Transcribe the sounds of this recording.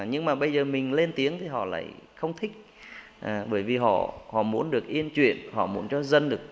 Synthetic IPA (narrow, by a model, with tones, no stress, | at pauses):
ɲɨ˧ŋmaː˨˩ɓə˧jzəː˨˩mï˨˩ŋ̟le˧nt̪i˨˦əŋt̪ʰi˨˩ɦɔ̰˧˨la̰ː˧˨jxə˧wŋ͡mt̪ʰï˦˥k̟̚ | ʔaː˨˩ɓəː˧˩jvi˨˩ɦɔ̰˧˨hɔ̰˧˨mu˨˦ənɗɨ˨˩ək̚ʔi˧ənt͡ɕwḭ˧˨ənhɔ̰˧˨mu˨˦ənt͡ɕɔ˧zə˧nɗɨ˨˩ək̚